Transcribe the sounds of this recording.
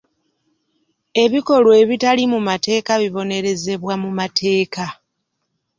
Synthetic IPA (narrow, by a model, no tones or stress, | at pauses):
e̞βiko̞lwe̞ːβitalimumate̞ːkaβiβo̞ne̞ɾe̞ze̞βwamumatʰe̞ːka